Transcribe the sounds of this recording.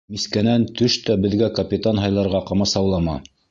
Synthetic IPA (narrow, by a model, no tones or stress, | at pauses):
miskænænt̪ɵʃt̪æbɘ̆ðɡækɐpʲit̪anɦɑjlˠɑɾʁɑqɑmɑsɑwlˠɑmɑ̰